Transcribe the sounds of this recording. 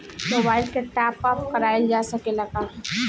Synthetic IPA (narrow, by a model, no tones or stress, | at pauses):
moːbaːɪlkeʈaːpəp̚kəɾaːjeld͡ʒaːsəkelɐɡaɦ